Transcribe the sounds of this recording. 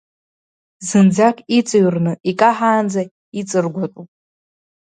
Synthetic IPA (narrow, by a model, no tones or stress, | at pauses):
zɨnd͡zakʰʼit͡sʼɨɥrnɨʔikʼaħaːnd͡za | it͡sʼɨrɡʷatʷʼupʼ